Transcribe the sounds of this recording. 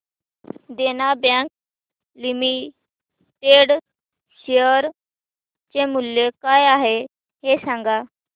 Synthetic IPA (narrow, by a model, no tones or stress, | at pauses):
d̪enabãk̚ | limi | ʈeɽ | ɕeəɾ | t͡ɕemuljekajaɦe | ɦesãŋɡa